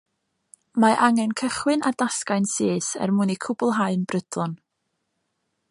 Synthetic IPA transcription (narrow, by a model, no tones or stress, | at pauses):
maʔaŋɛnkʰəχwɨnʔardaskaɨnseːsɛ̰rmʊnikʰʊbʊlˠɦaɨnbrəd̥lʊn